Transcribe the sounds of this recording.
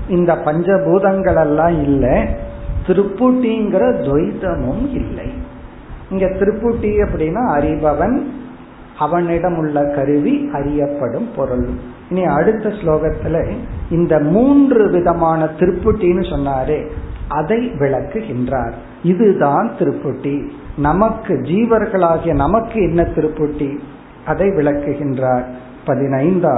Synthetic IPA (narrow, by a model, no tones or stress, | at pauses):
ɪnd̪ɐpɐɲd͡ʒɐbuːðɐŋɡɐɭɛlːãːɪlːɐt̪ɪɾɯpːɯʈːiŋɡɪɾɐd̪ɔɪðɐmɯmɪlːɐ̰ɪ | ɪŋɡeːt̪ɪɾɯpːɯʈːiɐpːɐɽɪnːaːɐɾɪʋɐʋɐn | ɐʋɐnɪɽɐmɯɭːɐkɐɾɯʋiɐɾɪjɐpːɐɽɯmpɔɾɯɭɯm | ɪnːiɐɽɯt̪ːɐsloːɣɐt̪ːɪleɪnd̪ɐmuːndrɯʋɪðɐmaːnɐt̪ɪɾɯpːɯʈːinɯsɔnːaːɾeːʔɐðɐɪʋɪɭɐkːɯɣɪndraːɾ | ɪðɯðaːnt̪ɪɾɯpːɯʈːi | nɐmɐkːɯd͡ʒiːʋɐɾɣɐɭaːɣɪjɐnɐmɐkːɯɛnːɐt̪ɪɾɯpːɯʈːi | ʔɐðɐɪʋɪɭɐkːɯɣɪndraːɾ | pɐðɪnɐɪnd̪a